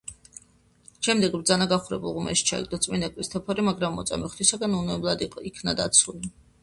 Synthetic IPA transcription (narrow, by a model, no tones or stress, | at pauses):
ʃɛmd̪ɛɡbɾd̪zanaɡaχuɾɛ̰bulˠʁumɛ̰ʃi̥t͡ʃʰaɛ̰ɡ̚d̪ɔt̪sʼminakʼwist̪ʰɛpʰɔɾimaɡɾamːɔ̰t̪sʼa̰miχd̪isaɡanunɛblˠad̪iɔikʰnad̪a̰t̪sʰuli